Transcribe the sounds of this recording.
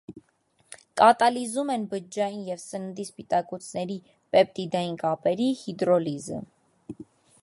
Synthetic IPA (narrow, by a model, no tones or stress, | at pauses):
kʼɑt̪ɑlizumɛnbəd͡ʒːɑjinjɛvsənənd̪ispit̪ɑkut͡sʰnɛɾi | pɛp̚t̪id̪ɑjinkʼɑpɛɾihid̪ɾɔlizə̰